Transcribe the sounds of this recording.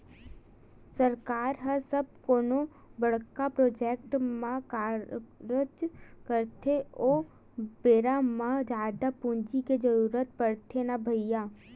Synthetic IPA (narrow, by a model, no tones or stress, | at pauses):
səɾkaːɾɦəsəb̚koːno | bəɽkapɾoːd͡ʒeːk̚ʈmãkaːɾəd͡ʒkəɾt̪ʰeoː | beːɾamãd͡ʒaːd̪apũnd͡ʒiked͡ʒəɾuːɾət̪pəɽt̪ʰenabʱəɪjaː